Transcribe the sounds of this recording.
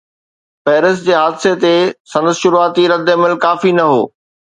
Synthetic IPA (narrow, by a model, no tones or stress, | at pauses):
pɛːɾɪsd͡ʑeːɦaːd̪ɪset̪esɐ̃nd̪əsʃʊɾuaːt̪iɾɐd̪ʱemɪlkaːfinɐɦoː